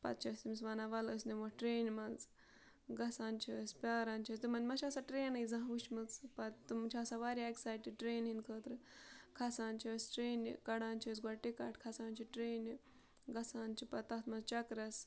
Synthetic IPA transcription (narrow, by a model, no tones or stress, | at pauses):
pɐ̰t̪̚t͡ʃʰɐsimisʋaːnaʋɐləsnemoʈɾeːnʲmɐnz | ɡɐsaːnt͡ʃʰisʲpʲaːɾaːnt͡ʃʰɐsʲt̪ɨmɐnʲmɐt͡ʃʰasaʈɾeːnɐjzãɦʋut͡ʃmɨt͡spɐt̪umt͡ʃʰaːsaʋaːɾʲaeksaːjʈiʈɾeːnɦinʲkʰəːt̪ɾɨkʰɐsaːnt͡ʃʰɐsʈɾeːnʲkɐɽãːnt͡ʃʰis̬ɡʷɐʈikaʈʰkʰɐsaːnʲt͡ʃʰiʈɾeːnʲi | ɡɐsaːnt͡ʃʰipɐt̪ɐt̪mɐnzt͡ʃɐkɾɐs